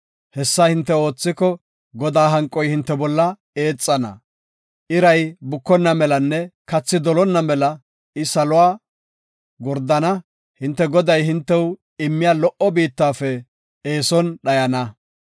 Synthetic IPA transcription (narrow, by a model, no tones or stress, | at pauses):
hɛsːahɪnt̪ːɛo̞ːt͡sːɪkɔ | ɡɔd̪aːɦɐŋkʼːɔjhɪnt̪ːɛbɔlːɐ | e̞ːt͡sʼːɐnɐ̰ | ʔɪɾɐjbʊkːɔnːɐmɛlɐnːɛkɐt͡sːɪd̪ɔlɔnːɐmɛlɐ | ɪsɐlʊwaː | ɡɔɾd̪ɐnɐ | hɪnt̪ːɛɡɔd̪ɐjhɪnt̪ːɛw | ɪmːɪjaːlɔʔɔbiːt̪ːaːfɛ | eːsɔnɗɐjɐnɐ